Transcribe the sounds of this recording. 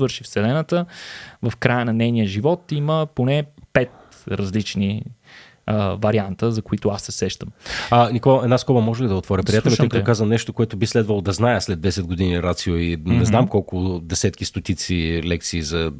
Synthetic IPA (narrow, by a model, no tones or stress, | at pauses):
vɤɾʃifsɛlɛnət̪əvɐfkɾajənɐnɛjnijəʒivɔt̪iməponɛpɛt̪̚ | ɾɐzlit͡ʃni | vɐɾiant̪əzɐkoit̪ʊasːɛsɛʃt̪əmnikoɛd̪naskɔbɐmɔʒɛlʲid̪ɐot̪vɔɾʲɐpɾijat̪ɛlʲmɛɔkət̪kazənɛʃt̪okoɛt̪ʊbislɛd̪vɐlˠod̪ɐznajəslɛd̪ːɛsɛd̪̚ɡod̪iniɾat̪sioinɛznamkɔlˠkʊd̪ɛsɛt̪kist̪ot̪it̪silɛk̚t̪siːzɐ